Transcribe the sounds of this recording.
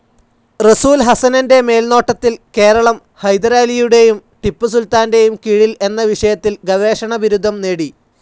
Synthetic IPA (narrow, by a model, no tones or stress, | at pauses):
rɐsuːlɦɐsɐnɐnde̞me̞ːlno̞ːʈːɐt̪ːilke̞ːɾɐɭɐm | hɐjd̪ɐɾaːlijuɽe̞jumʈipːɨsult̪aːnde̞jumkiɻile̞nːɐʋiʂɐjɐt̪ːilɡɐʋe̞ːʂɐɳɐʋiɾud̪ʱːɐmneːɽi